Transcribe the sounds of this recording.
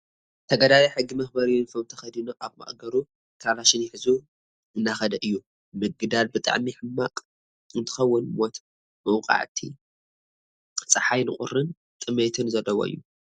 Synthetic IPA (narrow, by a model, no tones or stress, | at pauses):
t̪ʰɐɡɐd̪alaiħɨɡːimɐxbɐɾijunfʰomt̪ʰɐxɐd̪inoʔaβmɐ̰χʼɡɐɾu | kʰɾalaʃɪnjɪħɨzu | ɨnːaxɐd̪ɐʔɨjːu | mɨɡɨd̪albɨt̪ʼa̰ʕmiħɨmːakʼ | ɨnt̪ʰɨ̥xɐwːʊnmot̪ʰ | mɐwqʼa̰ʕt̪ʰi | t͡sʼɨħajnɨkʼʊ̰rːɨn | t̪ʼɨmet̪ʰɨnzɐlːɐwoʔɨ̰jːu